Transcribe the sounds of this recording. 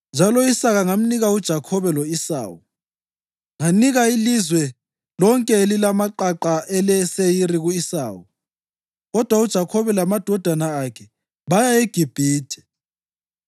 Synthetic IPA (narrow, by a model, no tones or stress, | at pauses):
nd͡ʒʱalɔisaɣaŋam̩niɣaud̥ʒ̥ʱakʰɔβɛlɔisa̰ːwu | ŋaniɣailizwɛ | lɔŋkʼɛelilamaǃaǃaʔɛlɛsejiɾiɣuisa̰ːwu | ɣɔd̥ʱwaud̥ʒ̥ʱakʰɔβɛlamad̥ʱɔd̥ʱanaːkʰɛ | βajaeɡ̥ʱib̥ʱiːtʰɛ̥